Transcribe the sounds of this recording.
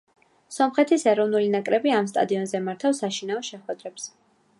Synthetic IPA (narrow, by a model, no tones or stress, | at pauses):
sɔmχɛt̪ʰisɛɾɔvnulinakʼɾɛbiamst̪ʼa̰d̪iɔnzɛmaɾt̪ʰafsaʃinaɔʃɛχwɛd̪ɾɛps